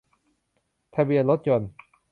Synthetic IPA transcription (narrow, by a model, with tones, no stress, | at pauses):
t̪ʰa˧bi˧˨ənlo˦˥t̪̚t͡ɕo˧˩n